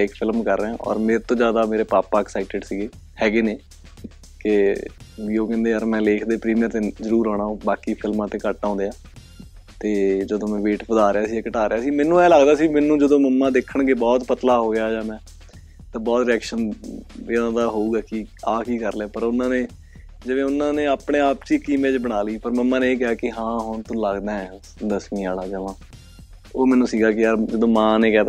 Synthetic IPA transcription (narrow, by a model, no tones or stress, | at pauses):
ɪkpʰɪlmkəɾːeãːʔɔ̰ːɾmeːɾet̪õːd͡ʒjaːd̪aːmeːɾeːpaːpaːɛksaːɪʈɪɖsiːɡeː | hɛːɡeːneː | kɪ | ʋiːoːkɛ̃ːnd̪eːəɾmɛ̃ːleːkʰd̪eːpɾiːmijəɾt̪eːzəɾuːɾɔ̃ːɽ̃aːõːbaːkiːpʰɪlmãːt̪eːkəʈːãːnd̪eːaː | t̪eːd͡ʒəd̪õːmɛ̃ːʋeːʈpəd̪aːɾeaːsiːɛkəʈaːɾeːaːsiːmɛ̃ːnːũːɛ̃ːlaɡd̪aːsiːmɛːnːũːd͡ʒəd̪õːməmːãːd̪eːkʰəɳɡeːbɔːt̪pət̪laːɦoːjaːd͡ʒãːmɛ̃ː | t̪ãːbɔːt̪ɾɪɛːkʃənenãːd̪aːɦoːuːɡaːkiaːkiːkəɾleːpəɾʊnãːneː | d͡ʒəʋẽːʊnːãːneːaːpɽeːaːpt͡ʃiːkiːmẽːt͡ʃbəɽ̃aːliːpəɾməmːãːneːeːk̬ɛaːkɪɦãːɦʊɳt̪õːləɡd̪aːɛ̃ː | d̪əsmĩːa̰ːlaːd͡ʒəʋãː | oːmɛ̃ːnũːsiːɡaːkɪjaːɾd͡ʒəd̪õːmãːneːkɛːt̪ː